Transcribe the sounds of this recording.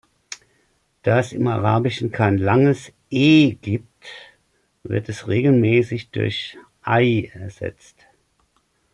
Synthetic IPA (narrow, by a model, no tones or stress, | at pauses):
d̥aːɛsɪmaʁaːbɪʃn̩kʰaɪnlaŋəs | ʔeːɡ̥iːp̚t | vɪ̰ɐtʰɛsʁeːɡl̩mɛːsɪçd̥ʊ̰ɐç | ʔaɪɛɐz̥ɛ̰t͡st